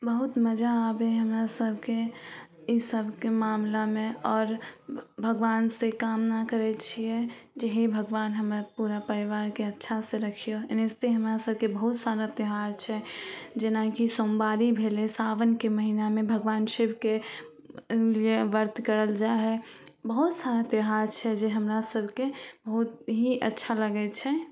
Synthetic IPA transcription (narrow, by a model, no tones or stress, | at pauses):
bəɦʊt̪məd͡ʒaːbeɦəmɾasəbʱke | isəbʱkemaːmlamẽɔːɾbʱəɡʋaːnsekaːmnakəɾɛt͡ʃʰiɛd͡ʒəɦibʱəɡʋaːnɦəmɾpuːɾapəɾiʋaːɾkeətːʃʰaseɾəkʰijonest̪eɦəmɾasəb̚ʱkebəɦʊt̪saːɾat̪ɪɦaːɾt͡ʃʰɛd͡ʒenakisombaɾibʱelesaʋənkeməɦinamebʱəɡʋanʃibʱke | lieʋəɾt̪kəɾəld͡ʒaɦɛbəɦut̪saɾat̪eɦaɾt͡ʃʰɛd͡ʒeɦəmɾasəbʱkebəɦut̪ɦiʔətːʃʰaləɡɛt͡ʃʰɛ